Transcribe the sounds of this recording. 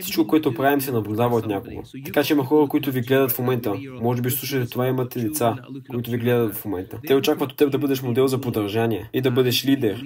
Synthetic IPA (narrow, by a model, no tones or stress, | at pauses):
fsi̥t͡ʃkokoɛt̪ʊpɾavimsɛnɐblʲʊd̪avəot̪nʲakoɡo̰t̪ɐkat͡ʃɛimɐxɔɾəkoit̪ʊviɡlɛd̪ət̪fmomɛnt̪əmɔʒɛbiʃslˠuʃ̬ət̪ɛt̪ovaimɐt̪ɛd̪ɛt̪sakoit̪ʊviɡlɛd̪ət̪fmomɛnt̪ət̪ɛot͡ʃakvət̪o̥t̪ːɛb̚d̪ɐbɤd̪ɛʃmod̪ɛlˠzɐpod̪ɐɾʒaniɛid̪ɐbɤd̪ɛʃlid̪ɛɾ